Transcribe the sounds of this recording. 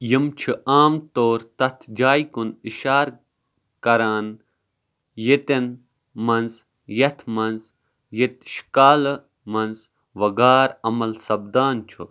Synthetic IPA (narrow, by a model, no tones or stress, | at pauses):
jimt͡ʃʰuʔaːmt̪oːɾt̪ɐt̪ʰd͡ʒaːjkuniʃaːɾ | kɐɾaːn | jit̪en | mɐnz | jɐt̪ʰmɐnz | jit̪̚ʃkaːl | mɐnz | ʋɐɡaːɾɐmɐlsɐbd̪aːnt͡ʃʰu